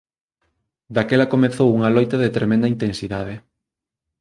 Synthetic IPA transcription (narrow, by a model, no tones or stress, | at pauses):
d̪akɛlɐkomeθowuŋɐlojt̪ɐðet̪ɾemɛ̃nd̪ɐint̪ẽnsiðaðɪ